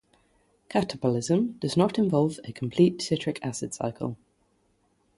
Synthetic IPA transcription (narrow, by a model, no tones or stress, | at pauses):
kʰatəbəlɪzə̃md̥əznətɪ̃ɱvɒlˠvəkʰə̃mpʰl̥iˑʔsɪtɹ̥ɪkʰa̰sɪd̥sa̰ɪkʰə̰lˠ